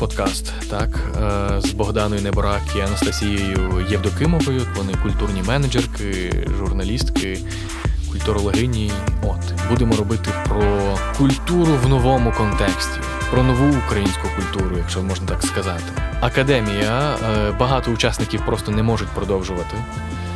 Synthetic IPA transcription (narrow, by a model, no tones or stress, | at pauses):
pɔd̪kɑst̪ːɑkzbɔɦd̪ɑnɔjʊnɛbɔɾɑkiɐnɐst̪ɐsʲijɔjʊjewd̪ɔkɪmɔɦɔjʊʋɔnɪkʊlʲt̪urnʲimɛnɐd͡ʒerkɪ | ʒʊrnɐlʲist̪kɪ | ʊlʲt̪ʊɾɔlˠɔɦɪjnʲiɔt̪ | bud̪emɔɾɔbɪt̪ɪpɾɔkʊlʲt̪uɾʊwnɔʋɔmʊkɔnt̪ɛksʲtʲi | pɾɔnɔʋuːkɾɐjinʲsʲkʊkʊlʲt̪uɾʊjɐkʃt͡ʃɔmɔʒnɐt̪ɑkskɐzɑt̪ɪ̥ɐkɐd̪ɛmʲijɐbɐɦɑt̪ɔʊt͡ʃɑsnɪkʲiwpɾɔst̪ɔnɛmɔʒʊtʲpɾɔd̪ɔwʒʊʋɐt̪ɪ